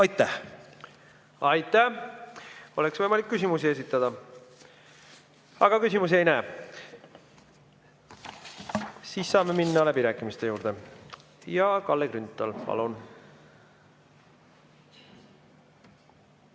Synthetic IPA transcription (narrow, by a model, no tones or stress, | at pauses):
ɑjt̪ːæh | ɑjt̪ːˑæh | oleksvɤjmɑlikːys̬ʲimusie̞sit̪ːˑɑd̪̥ɑ | ɑɡ̥ɑkysʲimus̬ie̞jnæː | siːsːɑːme̞minːɑlæbiɾæːkːˑimist̪e̞juːɾd̪̥e̞ | jɑkɑlːeɡ̥rynt̪ːˑɑlpɑ̰lun